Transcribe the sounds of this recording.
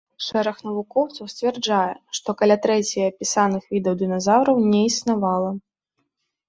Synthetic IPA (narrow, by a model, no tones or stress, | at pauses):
ʂɛɾɐxnɐvukɔwt̪sɐwsʲt͡sʲvʲɛrd͡ʐajɛʂt̪ɔkɐlʲat̪ɾɛt͡sʲijɐɐpʲisanɨxvʲid̪ɐwd̪ɨnɐzawɾɐwnʲɛisnavalˠɐ